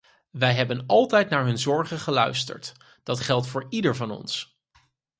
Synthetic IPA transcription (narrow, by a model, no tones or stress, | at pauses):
ʋɛjɦɛbənɑlˠtɛjtnaːɹɦɵnzɔɹχəχəlœ̰ɥstə̰ɹt | d̥ɑtχɛlˠtfʊːɹidəɹvɑnɔ̰ns